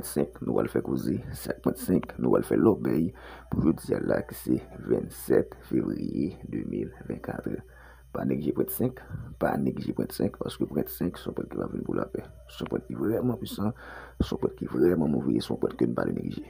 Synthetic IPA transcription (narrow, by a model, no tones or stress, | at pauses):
pt̪sɛ̃knũpwalfɛkozesɛak̚pwɛ̃t̪sɛ̃knũpwalfɛlɔbɛjpuʒod͡zialaki̥sɛvɛ̃t̪sɛt̪fevʁijed̪ømilvɛ̃nkʰat̪ʁə | paneɡliʒepwɛ̃t̪sɛ̃kpaneɡiʒepwɛ̃t̪sɛ̃kpasə̥køpwɛ̃t̪sɛ̃ksɔ̃pwɛt̪̚kivavinpulapɛ | sɔ̃pwɛt̪̚kivʁɛmãpɥisɑ̃sɔ̃pwɛt̪̚kivʁɛmãmoveesɔ̃pwɛt̪kønũpalʔenʔeɡliʒe